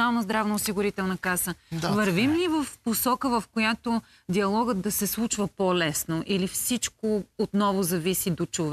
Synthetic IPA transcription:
alˠnəzd̪ɾavnɐʊsiɡʊɾit̪ɛlˠnɐkasəvɐɾvimnivəfposɔkəvɐfkojat̪o | d̪iɐlˠɔɡəd̪d̪ɐsɛslˠut͡ʃvəpolɛsnoʔilifsit͡ʃkoot̪nɔvʊzɐvisid̪ot͡ʃov

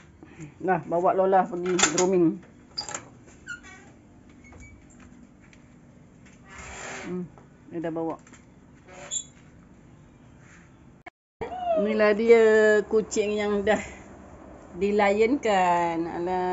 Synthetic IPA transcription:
lahbawaʔlolahpəɡidɾomɪŋ | m | adahbawaʔ | nilahdiəkut͡ʃɪŋjaŋdah | dilajənkana̰ʔla

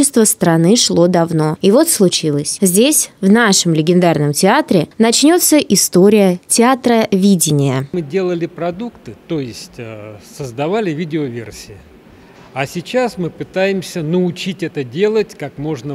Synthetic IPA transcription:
ɪst̪vəst̪ɾɐnɨʂlˠo̞d̪ɐvno̞ivo̞t̪slˠʊt͡ɕilˠəsʲzʲdʲesʲvnaʂəmlʲɪɡʲɪnd̪arnəmtʲɪat̪ɾʲɪnɐt͡ɕnʲo̞t̪səʔɪst̪o̞ɾʲɪjətʲɪat̪ɾəvʲidʲɪnʲɪjəmɨdʲe̞lˠəlʲɪpɾɐd̪ukt̪ɨt̪ojɪsʲtʲsəzd̪ɐvalʲɪvʲidʲɪovʲḛrsʲɪɪ | asʲɪt͡ɕasmɨpɨt̪ajɪmsʲənəʊt͡ɕitʲɛt̪ədʲe̞lˠətʲkakmo̞ʐnə

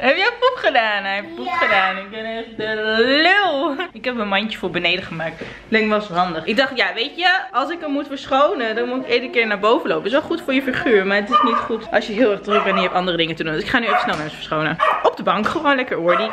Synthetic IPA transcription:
ɦɛpjəputχədaːnɛɛpputχədaːnɪkɛnɛχədɛlɪlˠɪkɦɛpmənmɑntəfʊːɹbənejdəχəmaːk̚t | lɪŋʋɑsɦɑndəχɪɡ̚dɑχtjaʋejtəɑlˠsɪkəmmutfəɹsχownədɑnmutɪkeːdənkɪːɹnaːɹbowvənlowpətɪsʋɛlˠχutfʊːɹjəfiχyːɹmaːɹətɪsnitχutʔɑlˠsjəɦɪːlˠɛɹχdrøk̚bɛntɪɛpʔɑndərədɪŋətədunsɪkχaːnyɛfəsnɛlˠmɛnsfəɹsχownənʔɔb̚dəbɑŋkχəʋoːnlɛkəɹoːɹdi

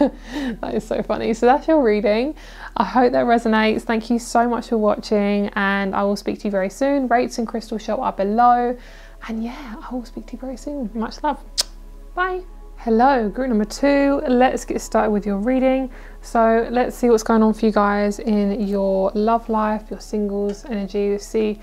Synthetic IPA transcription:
ðæ̰ɾɨz̥soʊfʌ̰nḭsəʊðætsjəɹiːɾɪ̃ŋ | ʔaɪɦəʊp̚ðəʔ̚ɹɛzəneɪtsθæ̃ŋkʰjɨsəʊmʌt͡ʃfə˞wɒt͡ʃɪ̃ŋə̃na̰ɪwɪlˠspiˑk̚tʰəjəvɛɹisʉ̃ːnɹeɪtsə̃nkʰɹ̥ɪstəl̩ˠʃɔpə̰b̥ɨləʊ | ə̃njæaɪwɪlˠspiˑk̚tʰəjəvɛɹisʉ̃ːnmʌt͡ʃlʌv̥ | b̥aɪ | hɛloʊɡɹʉˑp̚nʌ̃mbə˞tʰʉlətsɡ̥ɛtʰəstɑˑɾd̚wɪðjəɹiːɾɪ̃ŋ | soʊlətsiwɒtsɡ̥oʊɪ̃ŋə̃nfə˞jɨɡaɪzɪ̃njə˞lʌvlaɪfjə˞sɪ̃ŋɡəlˠzɛnəd͡ʒisi

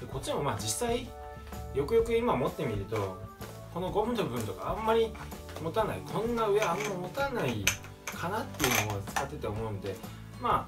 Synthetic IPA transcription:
d̪̥eko̞t͡ɕimo̞mad͡ʑisːai | jo̞kɯ̟jo̞kɯ̟imamo̞t̪ːe̞mʲiɾɯ̟t̪o̞̰ | ko̞no̞ɡõ̞mɯt̪obɯ̟̃nt̪o̞ka̰amːaɾʲi | mo̞t̪anaikʰõ̞nːaɯ̟eamːaimo̞t̪anai | kʰanat̪ːe̞jɯ̟noat͡sɨ̥kat̪ːe̞t̪eo̞mo̞ɯ̟nod̪e̞ | maː

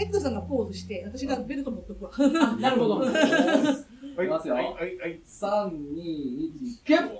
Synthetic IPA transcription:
ekd̪ɯs̬ãŋɡapo̞ːzɨɕi̥t̪e̞βat̪aɕiɡabe̞ɾɯt̪omot̪ːokɯnaɾɯhod̪o | masɨjoi | sãɲɲiːit͡ɕike

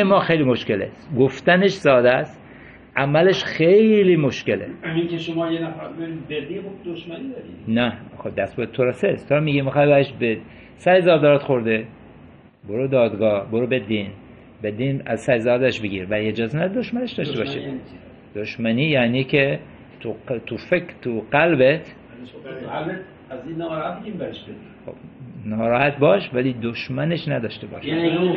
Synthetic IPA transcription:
emɒːxejlimo̞ʃkelḛsɡoft̪æneʃsɒːd̪æst̪ | ʔæmæleʃxejliːmoʃkeleiŋkʲʰeʃomɒːjenæfɾd̪beiibed̪ibod̪oʃmæniːd̪ɒɾinæxobd̪æst̪bot̪ʰoɾɒsest̪ʰoɾmiːɡimixɒːjbæɾeʃbed | sæjezɒːd̪ɒɾɑt̪xoɾd̪e | boɾud̪ɒːd̪ɡɒːhboɾubed̪iːn | bed̪iːnæzsæjzɾɒːd̪æʃbeɡiːɾvælied͡ʒɒːzenæd̪oʃmæneʃd̪ɒːʃt̪ebɒːʃe | d̪̥oʃmæniːjæniːkʰe | t̪ut̪ʰufekɾt̪ʰuqælbet̪ʰ | zinhat̪biɡimbæeʃbedixo̰bnɒːɾɒːhæt̪̚bɒːʃvælid̪oʃmæneʃnæd̪ɒːʃt̪ebɒ̰ːʃe

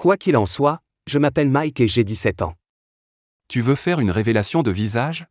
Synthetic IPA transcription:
kwakilɑ̃swa | ʒəmapɛlmajkeʒed̪isɛt̪ɑ̰̃ | t̪yvøfɛʁynʁevelasjɔ̃d̪əvizaʒ

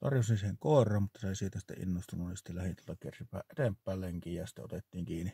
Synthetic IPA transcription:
t̪ɑ̰rjosinsiheŋkoˑerˑɑːmmut̪ːɑseˑisiːt̪æsi̥t̪ːḛʔḭnːost̪ununisi̥t̪ːælæhint̪uolːt̪ɑkḛrsipˑæ̰ːʔʔet̪empːæːlleŋkiːjjɑsi̥t̪ːæ̰o̰t̪et̪ːiːŋkiːni

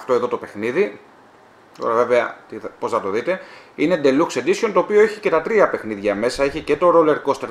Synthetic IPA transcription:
ft̪o̞e̞ðo̞t̪o̞pe̞xniði | t̪o̞̰ɾɐve̞ve̞ɐt̪ipo̞snɐt̪o̞ðit̪e̞ine̞d̪e̞luksed̪isio̞nt̪o̞ːpio̞eçice̞t̪ɐt̪ɾiɐpe̞xniðʝɐme̞sɐeçicet̪o̞ɾo̞le̞ɾko̞st̪eɾ

